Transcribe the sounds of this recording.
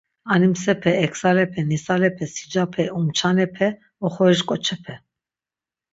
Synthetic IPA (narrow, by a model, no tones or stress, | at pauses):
animsɛpʰɛːkʰsalɛpʰɛnisalɛpʰɛsi̥d͡ʒapʰɛumt͡ʃʰanɛpʰɛ | ɔχɔɾiʃkʼɔt͡ʃʰɛpʰɛ